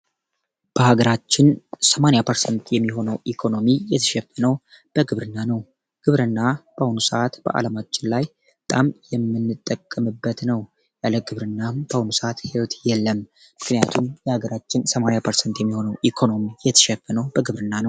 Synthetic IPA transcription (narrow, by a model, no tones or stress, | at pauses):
b̥əhaɡəɾat͡ʃːɪnsəmanjapʰəɾsənt̪ʰjɛmːiɦo̞nəwʔikʰo̞no̞mijɛt̪ʰə̥ʃɛfːənəw | b̥əɡɨβɾɨnːanəw | ɡ̥ɨβɾɨnːab̥əahunusəʔat̪b̥ə̰ʔa̰ləmat͡ʃʼːɪnlaj | bət̪ʼamjɛmːɨnːɨt̪ʼːəkʼːəmɨbːət̪nəw | jaləɡɨβɾɨnːabəhunusəat̪hewot̪jɛlːəm | mɨknɨjat̪ʰumjɛhaɡəɾat͡ʃːɪnsəmanejapʰəɾsənt̪jɛmːiho̞nəwʔikʰo̞no̞mijɛt̪ʰə̥ʃɛfːənəwbəɡɨβɾɨnːanəw